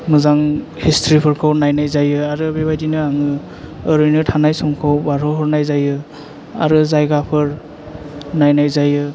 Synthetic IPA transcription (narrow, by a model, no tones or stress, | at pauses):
mɯzaŋ | histʰɾipʰɯɾkʰɯwnajnajzajɯaɾɯbebajdinɯaŋɯː | ɾɯjnɯtʰanajsɔmkʰawbaɾɔɦɔɾnajzajɯ | a̰ɾɯzajɡapʰɯɾ | najnajzajɯ